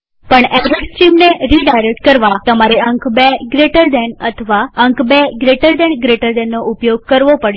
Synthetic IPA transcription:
pəɳɛɾeʈsʈimneɾiɖajɾek̚ʈ̚kəɾʋat̪əmaɾeəŋkbeɡɾeʈəɾd̪ɛnət̪ʰəʋaəŋkbeɡɾeʈəɾd̪ɛnɡɾeʈəɾd̪ɛnːoʔupjoɡ̚kəɾʋopəɽ

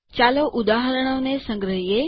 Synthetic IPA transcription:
t͡ʃaloʔud̪aɦəɾəɽ̃onesə̃ŋɡɾəɦije

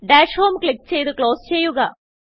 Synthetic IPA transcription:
ɖaːʂho̞ːmkɭik̚t͡ɕe̞jt̪ɨkɭo̞ːst͡ɕe̞jːuɣɐ

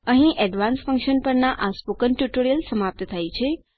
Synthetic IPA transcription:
əɦĩʔɛɖʋãnsfə̃ŋkʃənpəɾnaʔaspokənʈjuʈoɾijəlsəmap̚t̪ət̪ʰajt͡ʃʰe

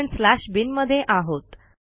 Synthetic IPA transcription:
ɳslæɕbinməd̪ʱːjeʔaɦot̪

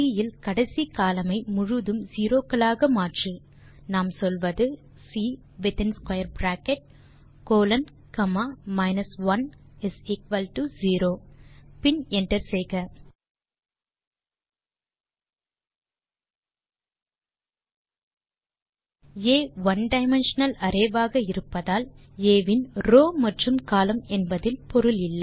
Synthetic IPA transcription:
ijɪlkɐɽɐɪsikaːlɐmɐɪmʊɻʊðɯmziːɾoːkːɐɭaːɣɐmaːʈri | naːmsɔlʋɐðɯ | siː | ʋɪt̪ɛnskwɐjɐɾbɾaːkɛʈ̚ | koːlɐn | kɐmaːmɐɪnɐsʋɐnɪsɪkʋɐlʈuziːɾoːpɪnɛnʈɐɾsɛjɣɐ | eːʋɐnɖɐɪmɛnʂɐnɐlɐɾɐʋaːɣɐɪɾɯpːɐðaːl | eːʋɪnɾoːmɐʈrɯmkaːlɐmɛnbɐðɪlpɔɾɯlɪlːɐ

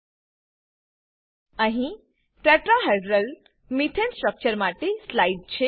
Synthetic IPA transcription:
ãɦĩ | ʈɾɛʈɾaɦeɖɾəl | mit̪ʰensʈɾək̚t͡ɕəɾmaʈeslaiɖ̚t͡ɕʰe

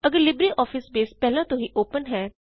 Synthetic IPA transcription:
əɡəɾlɪbɾiːʔɔːfɪsbeːspɛːlãːt̪õɦiːʔoːpənɦɛː

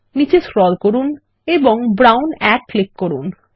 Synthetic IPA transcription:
nit͡ɕesɾɔlkoɾun | eboŋbɾawnɛkːlekkoɾun

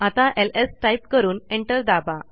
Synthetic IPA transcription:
at̪ãʔelesʈajp̚kəɾuːneɳʈəld̪aba

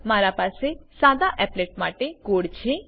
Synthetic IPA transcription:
maɾapaːsesaːd̪aʔɛpleːʈ̚maːʈeɡoːɽt͡ʃʰe

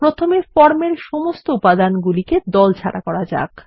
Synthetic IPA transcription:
pɾot̪ʰomefɔɾmeɾʃomost̪oupad̪anɡuliked̪ɔlt͡ɕʰa̰ɽa̰kɔɾad͡ʑa̰k

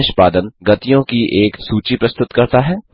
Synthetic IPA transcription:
ʃpaːd̪ənɡɐt̪ijõkiʔeːksuːt͡ʃipɾɐst̪ʊt̪kɐɾt̪aɦɛː

